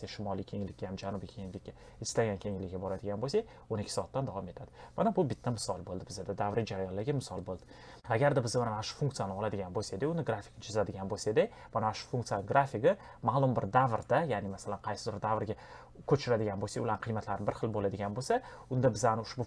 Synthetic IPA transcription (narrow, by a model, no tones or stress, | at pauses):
saʃɪmɒlijkʲʰe̞ŋlɪkʲːajamd͡ʒanʊbijkʲʰe̞ŋlɪkʲːa | ɪslaɡʲankʲʰe̞ŋlɪkʲːabɒɾad̪ɪɡʲanbosaj | onɪkʲʰːɪ̥sɒːt̪ːand̪avɒme̞t̪ʰad̪ɪmanabʊbɪt̪ʰːamɪsɒlˠbolˠd̪ɪbɪzad̪ad̪avɾɪd͡ʒaɾajɒnlaɡʲamɪsɒlˠbolˠd̪ɪ | aɡʲaɾd̪abɪzamanamaʃʊ̥fuŋkt̪ijanɪɒlad̪ɪɡʲanbolsad̪ejʊnɪɡɾafʲɪ̥knt͡ʃʰɪzad̪ɪɡʲanbolˠsad̪e | manamaʃʊ̥fuŋkt̪ɨjanɪɡɾafiɡɪ | maːlˠʊmbɪɾd̪avɾd̪ajanɪmasalanqʰɑjsɪzɾd̪avɾɡʲa | kʲʰɵt͡ʃʰɪɾad̪ɪɡʲanbosajʊlaɾnqʰɨijmat̪ʰlaɾnɪbɪɾχɨlˠbolad̪ɪɡʲanbolsa | ʊnd̪abɪzanɪʊʃbʊ